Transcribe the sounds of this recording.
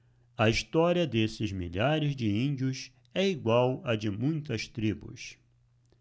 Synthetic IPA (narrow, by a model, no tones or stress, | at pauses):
ɐist̪ɔɾiɐd̪esɪzmiʎaɾɪzd͡ʒɪĩnd͡ʒiʊs | ɛiɡwawɐd͡ʒɪmũj̃t̪ɐst̪ɾibʊ̰s